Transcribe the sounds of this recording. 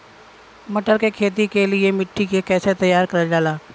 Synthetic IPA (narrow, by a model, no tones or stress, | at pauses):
mɐʈəɾkekʰeːt̪̬ikeliemɪʈʰːikekɛːset̪ɐjːaːɾkɐɾad͡ʒaːlaː